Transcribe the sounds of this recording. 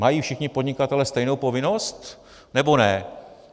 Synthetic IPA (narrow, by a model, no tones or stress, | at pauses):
majiːfʃɪxɲɪpodɲɪkat̪ɛlɛst̪ɛjnowpo̞vɪno̞st̪ | nɛbo̞nɛ